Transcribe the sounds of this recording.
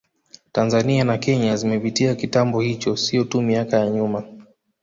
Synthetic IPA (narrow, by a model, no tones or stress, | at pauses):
tanzanianakɛɲazimɛpitiakitambɔhit͡ʃɔsijɔtumiakajaɲuma